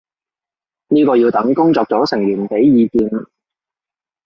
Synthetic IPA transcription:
niː˥kɔː˧jiː˧wt̪ɐ˨˥ŋkʊ˥ŋt͡sɔː˧k̚t͡sɔː˨˥sɪ˨˩ŋɥyː˨˩npe˨˥jːiː˨˧kiː˧n

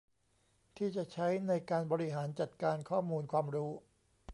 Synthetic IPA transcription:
t̪ʰiː˥˩t͡ɕa˨˩t͡ɕʰa˦˥jna˧jkaː˧nbɔː˧ɾi˦˥ɦaː˩˦nt͡ɕa˨˩t̪̚kaː˧nkʰɔː˥˩muː˧nkʰwaː˧mɾuː˦˥

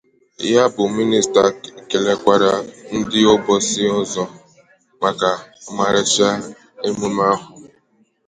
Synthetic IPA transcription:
ja˦bʊ˨mi˦ni˨sta˨kke˨le˨kʷa˨ɾa˨n̩˦dɪ˦ɔ˦bɔ˦sɪ˦ɔ˦zɔ˦ | ma˨ka˨ma˨ɾɪ˨t͡ʃa˦ | e˦mu˦m˦a˦ɦʊ˨

